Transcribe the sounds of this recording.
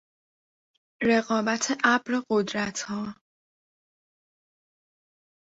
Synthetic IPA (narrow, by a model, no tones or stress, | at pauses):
ɾeɣɒːbæt̪ʰeʔabɾeɢod̪ɾæt̪ʰhɒː